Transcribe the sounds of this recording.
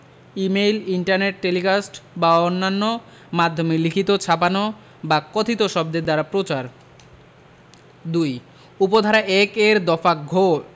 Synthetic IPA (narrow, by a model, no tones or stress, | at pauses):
imejliɳʈaɾneʈ̚ːelikasʈbaonːanːo | mad̪ʱːomelikʰit̪ot͡ɕʰapano | bakot̪ʰit̪oʃɔb̚d̪ed̪aɾapɾot͡ɕaɾ | d̪uj | upod̪ʱaɾaʔɛkeɾd̪ɔfaɡʱoɾ